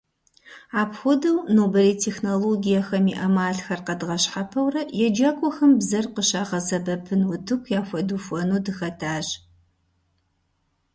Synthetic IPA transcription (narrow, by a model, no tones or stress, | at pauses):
aːpxʷɔdɐwnoːbɐliːtʰeːxnoloːɡijɐxɐmiʔɐmaːɬxɐrqɐdɨʁɐɕħapʰɐwrɐjɛd͡ʒɐkʷʼɔxɐmbzɐrqəɕaːʁɐzɐbɐpʰɨnwʊtʰɨkʷʰjaːfʷɐdufʷɔnuːdɨxɐtʰaːʑ